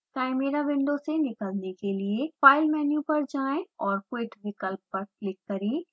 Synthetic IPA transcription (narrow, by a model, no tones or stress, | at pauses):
kaːɪmeːɾaʋɪ̃ɳɖosenɪkəlnekeliefaːɪlmɛːnjũpɐɾd͡ʒaːẽɔːɾkweːʈʋɪkəlpːɐɾlɪkːɐɾẽː